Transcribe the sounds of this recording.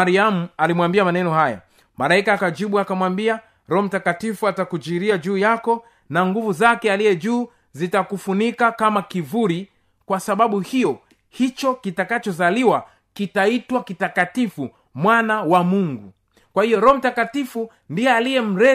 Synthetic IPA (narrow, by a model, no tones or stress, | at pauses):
aɾiamualimwambiamanɛnɔhaja̰ | malaikaːkad͡ʒiɓuakamwambia | ɾɔm̩takatifuatakud͡ʒiɾiad͡ʒuːjakɔ | naŋɡuvuzakɛalijɛʄuː | zitakufunikakamakivuɾi | kwasaɓaɓuhijɔ | hit͡ʃɔkitakat͡ʃɔzaliwa | kitaitwakitakatifu | mwanawamuŋɡu | kwahijɔɾɔm̩takatifu | ndijɛalijɛm̩ɾɛ